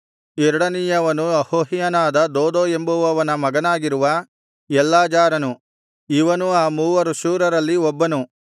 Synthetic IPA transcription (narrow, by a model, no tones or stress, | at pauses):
ɛɾuɽɐnijɐʋɐnujɐhoːɦijɐnaːd̪ɐd̪oːd̪oːe̞mbuʋɐʋɐnɐmɐɡɐnaːɡiɾuʋɐ | ɛlːaːd͡ʒaːɾɐnu | iʋɐnuaːmuːʋɐɾuʃuːɾɐɾɐlːiɔbːɐnu